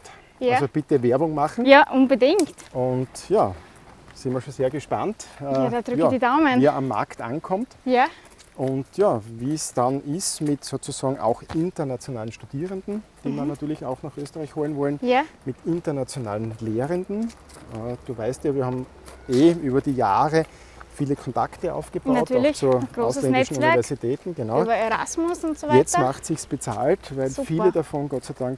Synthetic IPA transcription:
t | jasob̥ɪtəvɛɐbʊŋmaχn̩jaːʔʊnbədɪŋktʊntjaː | sɪnmiɐʃonseːɐɡəʃpa̰ntəadad̥ʁjaːdidaʊməniɐʔamːa̰ɐkta̰nkʰɔmtja | ʔʊntjaːviːsd̥anʔɪstmɪtsoːt͡susaːɡŋ̩ʔa̰ʊxʔɪntɐnat͡sjonaːlənʃtud̥iːʁəndn̩d̥iːdanːatyːɐlɪçaʊxnaχʔøːstəʁaɪçhoːlənvɔlənjamɪtɪntɐnat͡sjona̰ːlənleːʁəndn̩ | əd̥uːvaɪstjaːviːɐhaːm | eʔyːbɐdiːjaːʁə | fiːləkʰɔnta̰ktəa̰ʊfɡ̥əb̥aʊtːlt͡suɐʔɡaʊslɛnɛʃn̩uiɐvɛɐzitʰɛːtn̩ɡenaʊbɐeɾa̰smʊsʊntsovɛt͡stmaχtsɪçsb̥ət͡sa̰ːltvæɪlfiːlədafɔnɡɔtt͡sæɪdaŋk

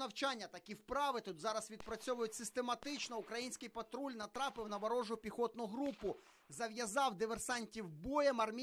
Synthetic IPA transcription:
nɐwt͡ʃɑnʲːɐt̪ɐkʲiwpɾɑʋɪt̪ut̪zɑɾɐsʋʲid̪̚pɾɐt͡sʲɔʋʊjʊtʲsɪst̪e̞mɐt̪ɪt͡ʃnɔʊkɾɐjinʲsʲkɪjpɐt̪ɾulʲnɐt̪ɾɑpɪwnɐʋɐɾɔʒʊpʲixɔt̪nʊɦɾupʊ | zɐʋjɐzɑwd̪ɪʋersɑnʲtʲiwbɔjɛmɐrmʲi

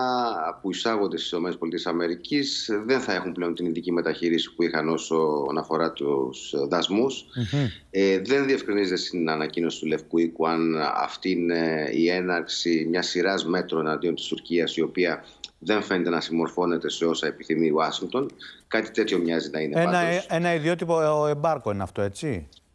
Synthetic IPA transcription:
puisɐɣond̪est̪sino̞me̞nepolit̪ie̞sɐme̞ɾicisðe̞nθɐe̞xumple̞o̞nt̪iniðicime̞t̪ɐçiɾisi̥puixɐno̞so̞ːnɐfo̞ɾɐt̪usðɐzmus | ðe̞nðie̞fkɾinizet̪est̪inɐnɐcino̞si̥t̪ule̞fkuikuɐnɐ̰ft̪iineie̞nɐɾksimɲɐsiɾɐzme̞t̪ɾo̞e̞nɐnd̪iot̪ist̪uɾciɐsio̞piɐ | ðe̞ɱfe̞net̪e̞nɐsimo̞ɾfo̞ne̞t̪e̞se̞o̞sɐe̞piθimiɐsiŋɡk̚t̪o̞nkɐt̪i̥t̪e̞t̪ço̞mɲɐzinɐineeɐnoenɐiðiot̪ipoembɐɾkoineɐft̪o̞e̞t͡ssi

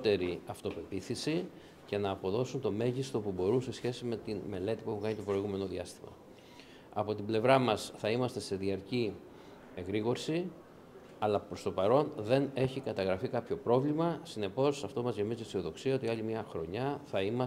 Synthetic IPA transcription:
t̪e̞ɾiɐft̪o̞pe̞piθisi | ce̞nɐːpo̞ðo̞sunt̪o̞me̞ʝist̪o̞pubo̞ɾunse̞sçe̞sime̞t̪inme̞le̞t̪ipueukɐɲit̪o̞pɾo̞iɣume̞no̞ðiɐst̪imɐ̰ | ɐpo̞t̪ible̞vɾɐmɐsθɐimɐst̪e̞se̞ðiɐɾci | eɣɾiɣo̞ɾsi | ɐlɐpɾo̞st̪o̞pɐɾo̞nðe̞ne̞çikɐt̪ɐɣɾɐfikɐpço̞pɾo̞vlimɐsine̞po̞sɐft̪o̞mɐzʝemizisioðo̞ksiɐo̞t̪iɐʎimɲɐxɾo̞ɲɐθɐimɐ

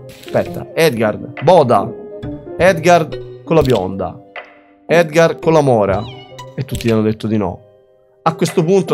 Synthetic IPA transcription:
spɛt̪ːa̰ɛd̪ɡard̪bɔːd̪a̰ | ɛd̪ɡard̪kolːabjɔ̰nd̪a̰ | ɛd̪ɡarkolːamɔːɾa̰et̪ːut̪ːianːod̪et̪ːod̪inɔ̰ | akːwest̪opunt̪o

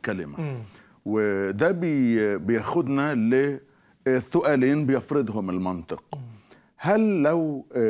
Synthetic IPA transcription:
kalɪma̰ | wɪd̪aːbɪbjaxʊd̪nalɪ | θːʊʔaːliːnbɪjafɾɨd̪ɦʊmɪlmɑnt̪ˤɨq | halːaw

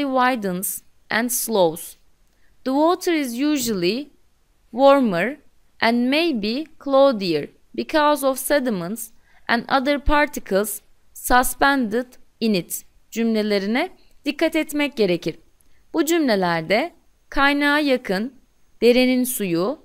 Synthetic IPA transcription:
iwajd̪əns | ʔɛ̃nslˠowz̥ | ðəwoːt̪ʰəɾizjuːʒulˠi | woɾməɾ | ʔɛ̃nd̪mejbikʰlˠowd̪ijəɹ | bikʰɔzɔvsɛd̪imənt̪s | ʔɛ̰̃nd̪a̰d̪əɾpʰaɾt̪ʰikʰəlˠz̥ː | aspænd̪ɪd̪init̪ | d͡ʒymlʲe̞lʲe̞ɾinɛ | d̪̥ikʰːat̪ɛt̪mɛc̚ɟe̞ɾe̞cʰiɾ̥ | b̥ud͡ʒymlʲe̞lʲæɾd̪ɛ | kʰajnaːajakʰɯn | d̪̥e̞ɾeninsuju

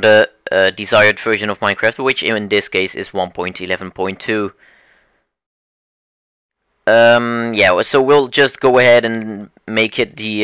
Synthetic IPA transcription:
ɾə | ʔʌdɨzaɪə˞dvɜ˞ʒɨ̃nʌvmãɪ̃nkʰɹ̥æft̚wɪt͡ʃɪɪ̃nðɪskʰeɪsɪ̰zwʌ̃npʰɔ̃ɪ̃ntʰɨlɛvn̩pʰɔ̃ɪ̃ntʰʉ | ʌ̃mjæsoʊwilˠd͡ʒʌstɡ̥oʊəɦɛɾɨ̃n | meɪkʰɨt̪̚ði

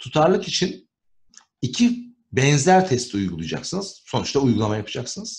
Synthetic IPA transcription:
t̪ʰut̪ʰaɾlˠɯkit͡ʃʰin | icʰi | bɛnzæɾt̪ʰɛst̪ʰiujɡulˠujd͡ʒa̰ksɯnɯz̥so̞nut͡ʃt̪ʰaujɡulˠamajapʰɯd͡ʒaksɯnɯz̥

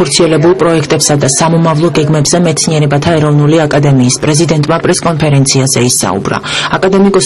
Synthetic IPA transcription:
ɔɾt̪sʰiɛlɛbulˠpʼɾɔɛkʰt̪ʼɛpsad̪asamɔmavlˠɔɡɛɡmɛbzɛmɛt̪sʰniɛɾɛbat̪ʰaɛɾɔvnuliakʼad̪ɛmiːspʼɾɛzid̪ɛnt̪ʼmapʼɾɛskʼɔnpʰɛɾɛnt̪sʰiazɛisa̰ṵbɾa̰akʼad̪ɛmikʼɔs

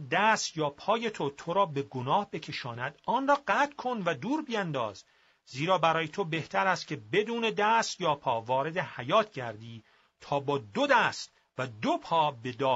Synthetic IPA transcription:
d̪æst̪jɒːpʰɒːje̞t̪ʰo̞t̪ʰoɾɒːbe̞ɡonɒːhbe̞cʰe̞ʃɒːnæd̪̥ɒːnrɒːɢæt̪kʰo̞nvæd̪uːɾbijænd̪ɒ̰ːz | ziːɾɒːbæɾɒːjet̪ʰo̞be̞ht̪ʰæɾæst̪kcʰe̞be̞d̪uːne̞d̪æst̪jɒːpʰɒːvɒːɾe̞d̪ehæjɒːt̪ʰɟæɾd̪iː | t̪ʰɒːbɒːd̪od̪æst̪ | væd̪opʰɒːbe̞d̪ɒː

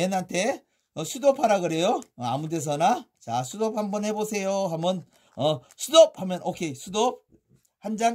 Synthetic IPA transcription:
enɦantʰe̞ | ʌsʰudopʰaɾaɡɯɾe̞joamude̞s̬ʰʌnat͡ɕasʰudop̚hambʌnɦe̞bosʰe̞joɦamʌn | ʌsʰudʌp̚hamjʌnʔokʰe̞sʰudʌp̚ | hand͡ʑaŋ

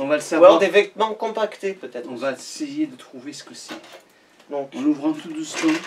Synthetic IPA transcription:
ɔ̃valəsavad̪evɛt̪mɑ̃kɔ̃pakt̪epøt̪ɛt̪ɔ̃vaesejed̪ət̪χuvesə̥kəsi | nɔ̃ɔ̃nuvʁɛ̃fud̪əsmɛ̃

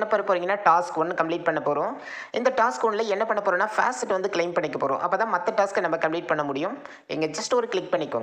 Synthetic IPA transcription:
ɳːɐpoːɾɐpːoːɾiŋɡɐnːaːʈaːskːonːɯkɐmpliːʈ̚pɐɳːɐpːoːɾõː | ɪnd̪ɐʈaːskɔnɪlɐɛnːɐpɐɳːɐpoːɾõːnːaːfa̰ːsʈɪʈːʋɐnd̪ɯklɐɪmpɐɳːɪkːɐpoːɾõ̰ːʔɐpːɐːt̪ãːmɐt̪ːɐʈaːskːɐnɐmːɐkɐmpliːʈ̚pɐɳːɐmʊɽɪjʊ̃m | ɛ̰ŋɡɐd͡ʒɐsʈɔɾɯklɪkpɐɳːɪkːõ̰ːŋɡ

